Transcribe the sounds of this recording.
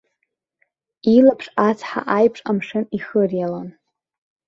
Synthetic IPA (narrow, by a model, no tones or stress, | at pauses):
ilapʰʂat͡sʰħa̰ʔajpʰʂʼamʂɨniχərjalan